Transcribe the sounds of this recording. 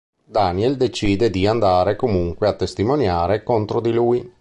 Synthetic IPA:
d̪aniɛld̪et͡ʃiːd̪ed̪iand̪aːɾekomuŋkweat̪ːest̪imonjaːɾekont̪ɾod̪iluj

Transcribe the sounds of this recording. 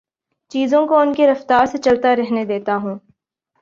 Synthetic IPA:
t͡ʃiːzõkoʊnkeɾɐft̪aːɾset͡ʃɐlt̪aɾɛɦned̪eːt̪aɦũː

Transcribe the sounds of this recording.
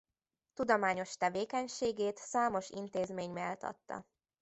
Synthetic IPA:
t̪ud̪omaːɲo̞ʃt̪ɛveːkɛɲʃeːɡeːt̪saːmo̞ʃḭnt̪eːzmeːɲmeːlt̪ʰɒ̰t̪ːɒ̰

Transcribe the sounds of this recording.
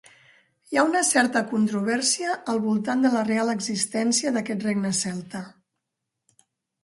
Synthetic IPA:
jaunəsɛɾt̪əkunt̪ɾuβ̞ɛɾsiəːlˠβulˠt̪and̪ələrealəɡzist̪ɛnsiəðəkɛt̪reɡnəsɛlˠt̪ə

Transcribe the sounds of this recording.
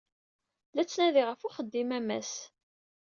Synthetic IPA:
læt͡sːnæðiʁəfʊχəd̪ːimæmæ̰s

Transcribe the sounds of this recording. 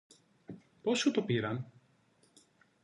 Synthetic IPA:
posut̪o̞piɾɐn

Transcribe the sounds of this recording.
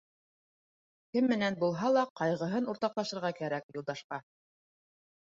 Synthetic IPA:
kɘmːɘ̆nænbulˠɦɑlˠɑqɑjʁɤ̆ɦɤnuɾt̪ɑqlˠɑʃɤ̆ɾʁɑkæɾækjulˠd̪ɑʃqɑ

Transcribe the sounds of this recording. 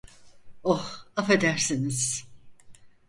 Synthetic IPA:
ohafe̞d̪æɾsiniz̥

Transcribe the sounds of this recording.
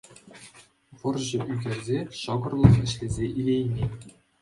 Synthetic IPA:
ʋɤ̆rʑɘ̆ʔyɡʲerʲzʲeɕɑɡɤ̆rlˠɤ̆χɘ̆ɕlʲezʲeʔilʲejnʲe

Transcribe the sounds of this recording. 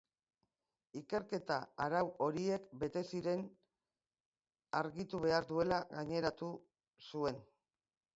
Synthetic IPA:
ike̞ɾke̞t̪aaɾawo̞ɾie̞kbe̞t̪e̞siɾe̞n | aɾɣit̪uβe̞aɾðue̞laɣaɲe̞ɾat̪u | sue̞n

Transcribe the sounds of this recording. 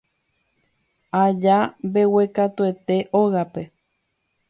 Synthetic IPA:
ad͡ʒabe̞we̞kat̪ue̞t̪e̞ʔoɣape̞

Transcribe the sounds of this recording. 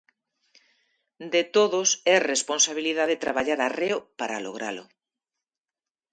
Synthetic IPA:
d̪et̪oðʊsɛresponsaβ̞iliðaðet̪ɾaβaʎaɾareʊpaɾa̰lo̰ɣɾa̰lʊ̰

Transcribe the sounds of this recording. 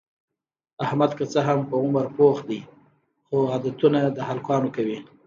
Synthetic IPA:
ahmad̪kət͡səɦampəʊməɾpoxd̪əj | xoad̪at̪unad̪əhalkwɑnokawi

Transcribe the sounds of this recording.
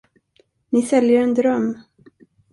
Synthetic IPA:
nɪsɛljəɾɛnd̪ɾœmː

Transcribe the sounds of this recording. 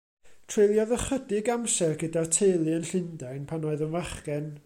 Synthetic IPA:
tʰrejlˠjɔðəχədɪɡamsɛrɡədatʰejlˠɨənɬɪndajnpʰanoɨðənvaχɡɛn

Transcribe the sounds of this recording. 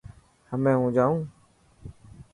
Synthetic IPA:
həmẽːɦũːd͡ʒaːũː

